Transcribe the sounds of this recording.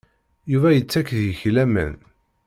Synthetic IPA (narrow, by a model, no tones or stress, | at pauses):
juvæjət͡sːækːðjəçlæmə̰n